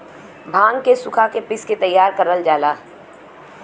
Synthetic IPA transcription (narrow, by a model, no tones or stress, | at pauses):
bʱãːŋɡkesʊkʰakepɪsket̪ɐjːaːɾkɐɾəld͡ʒaːlaː